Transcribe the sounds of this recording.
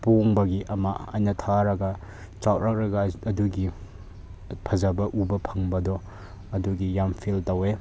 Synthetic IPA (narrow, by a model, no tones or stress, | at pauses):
poŋbɐɡiʔɐmaɐjnɐtʰaɾɐɡɐ | t͡ʃawʔ̚ɾak̚ɾɐɡɐːduɡi | pʰɐzabɐʔubɐpʰɐŋbɐdɔ | ɐduɡijampʰiltɐwe